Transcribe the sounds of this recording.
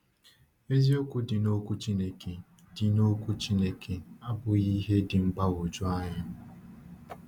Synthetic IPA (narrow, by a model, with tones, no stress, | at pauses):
e˦zi˦o˦kʷu˦dɪ˨no˦kʷu˦t͡ʃi˦ne˦ke˨ | dɪ˨no˦kʷu˦t͡ʃi˦ne˦kʰe˨a˦bʊ˨i˦ɦe˦dɪ˨ŋ͡m̩˦ɡ͡ba˦wo˨d͡ʒo˦a˦ɲa˦